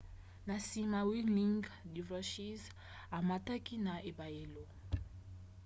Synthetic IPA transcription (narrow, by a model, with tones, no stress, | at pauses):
na˨si˦ma˨wi˦li˦ŋɡdi˨vɔ˦ʃi˦z | a˨ma˨ta˦ki˦na˨ʔe˨ba˨e˨lo˨